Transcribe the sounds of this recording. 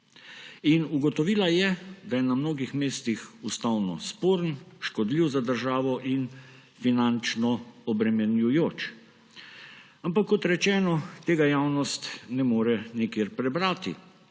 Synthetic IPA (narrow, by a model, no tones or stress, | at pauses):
inuɡɔt̪ɔʋiːlajɛd̪ajɛnamnoːɡixmeːst̪ixust̪awnɔ̰spoːɾnʃkɔd̪liwzad̪əɾʒaːʋɔʔin | finant͡ʃnɔɔbɾɛmɛnjujoːt͡ʃ | ampakːɔt̪ɾɛt͡ʃɛːnɔt̪eːɡajaːwnɔst̪nɛmoːɾɛnikjeːɾpɾɛbɾaːt̪ḭ